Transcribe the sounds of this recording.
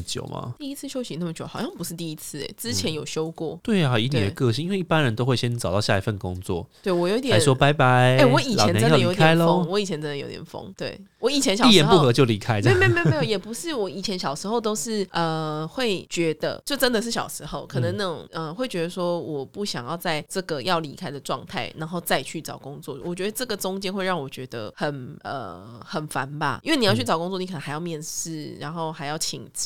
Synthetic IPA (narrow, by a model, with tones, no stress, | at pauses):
t͡ɕjo̰˨˩ʊma̰˨˩t̪i˥˧i˥t͡sʰɹ̩˥˩ɕjo˥ʊɕi˧˥nə˥˩mə˩t͡ɕjo˨˩˦xɑ˨˩ʊɕjɑ˥˩ŋpu˧˥ʂɻ̩˥˧t̪i˥˧i˥t͡sʰɹ̩˥˩ḛ˩ʈ͡ʂɻ̩˦t͡ɕʰjɛ˧˦njo˨˩ʊɕjo˥ʊkwɔ˥˩t̪we˥˩ɪa˨˩i˧˥t̪j̪ə˩kɤ˥˧ɕi˥˨i˥nwe˥˩ɪi˥˩pa˦nɻə˧˦nt̪o˥ʊxwe˥˩ɕjɛ˦˥nʈ͡ʂɑ˨˩t̪ɑ˥˧ʊɕja˥˩i˧˦fə˥˩nə˩ko̰˦ŋt͡swɔ̰˥˨t̪we˥˩ɪwɔ˨˩jo˧˦i˥t̪jswɔ˥pa˧˦ɪpa˧˦ɪe˥˩wɔ˨˧˦i˨˩˨na˧˦ə˥˨ə˨ijo˧˦˥k̪tʰɛa˦ɪlo˦˥wɔ˧˦i˨˩t͡ɕʰjɛ˧˦nʈ͡ʂə˥nd̪ə˨jo̰˧˥ḭt̪jɛ˨˩nfo̰˥ŋt̪wḛ˥˩ɪwɔ˧˦i˨˩t͡ɕʰjɛ˧˥nɕɑ˨iʊ˥˩jɛ˧˦˧xpu˥˩xɤ˧˦t͡ɕjo˥˩ʊli˧˥kʰa˦˥ɪ˥˧˩me˥˧˩me˥˩e˧˥jo˨˧˩jɛ˨˩pu˧˦ʂɻ̩˥˩wɔ˨˦i˨˩t͡ɕʰjɛ˧˥nɕjɑ˨˩ʊʂɻ̩˧˥xo˥˩ʊt̪̬o˥ʊʂɻ̩˥˩ə˨˩xwe˥˩ɪt͡ɕɥɛ˧˥d̪ə̰˧t͡ɕjo˥˩ʊt͡sə˦˥nd̪ə˨ʂ̬̩˥˩ɕjɑ̰˨˩ʊʂɻ̩˧˦xo˥˩ʊkʰɤ˨˩nə˧˦ŋna˥˩ʊ̰˨˩ŋə˧xwe˥˩ɪt͡ɕɥɛ˧˥d̪ə˧ʂwɔ˥wɔ˨˩pu˥˩ɕjɑ˨˩ŋjɑ˥˧ʊt͡sa˥˧ɪʈ͡ʂə˥˩ɡə˩jɑ˥˩ʊli˧˥kʰa˥ɪd̪ə˨ʈ͡ʂwɑ̰˥˧ŋt̪ʰa̰˥˩ɪna˧˦nxo˥˧ʊt͡sa˥˧ɪt͡ɕʰy˥˩t͡sɑ˨˩ʊkʊ˦ŋt͡swɔ˥˩wɔ˨˩t͡ɕɥɛ˧˥d̪ə˧ʈ͡ʂə˥˩ɡə˨t͡sʊ˦ŋt͡ɕjɛ˥nxwe˥˧ɪɻɑ˥˩ŋwɔ˨˩t͡ɕɥɛ˧˥d̪ə̰˧xə˨˩nə̰˨˩xə˨˩nfa̰˨˦nba̰˧i˥nwe˥˩ni˨˩jʊt͡ɕʰy˥˩t͡sɑ˨˩kŋt͡swɔ˥˩ni˧˩k̪ʰxa˧ɪjɑ˥˧mjɛ˥˧nʂɻ̩˥˩ɻa˧˦nxo˥˩ʊxa˧˥ɪjɑ˥˩ʊt͡ɕʰḭ˨˩ŋt͡s̩˨